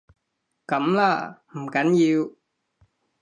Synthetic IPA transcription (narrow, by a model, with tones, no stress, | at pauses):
kɐ˨˥mlaː˨˩m̩˨˩kɐ˨˥nji˧w